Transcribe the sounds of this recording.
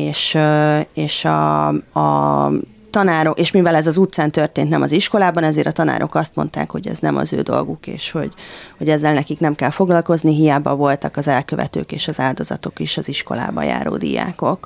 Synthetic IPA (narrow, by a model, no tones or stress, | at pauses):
eːʃ | eːʃɒː | t̪ɒnaːɾo̞keːʃmivɛlɛzɒzut̪saːnt̪ø̞rt̪eːnt̪nɛmɒziʃko̞laːbɒnɛzeːɾʔɒt̪ɒna̰ːɾʔo̞̰kɒst̪mo̞nt̪a̰ːkho̞ɟɛ̰znɛmɒ̰zøːd̪o̞lɡukḛːʃho̞ɟho̞ɟɛzːɛlnɛkiknɛmkɛlfo̞ɡlɒlko̞zniɦijaːbɒvo̞lt̪ɒkɒzɛlkø̞vɛ̰t̪ø̰ːkeːʃɒzaːld̪o̞zɒ̰t̪o̞kiʃɒziʃko̞̰la̰ːbɒ̰ja̰ːɾo̰ːd̪ḭja̰ːko̞k